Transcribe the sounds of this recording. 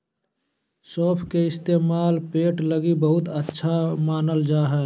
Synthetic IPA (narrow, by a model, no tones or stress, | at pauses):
sɔːpʰkeɪst̪eːmaːlpeːʈləɡibəɦʊt̪ətːʃʰamaːnəld͡ʒaːɦɛ̃ː